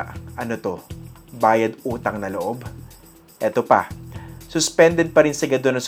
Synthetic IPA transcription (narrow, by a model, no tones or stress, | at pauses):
ʔʔɐnot̪o̞ | baːjɐd̪uːt̪ɐŋnɐloʔo̞b | ʔɛt̪opɐ̰sʊspɛnd̪ɛd̪̚pɐɾɪnsɐɡɐd̪onɐŋs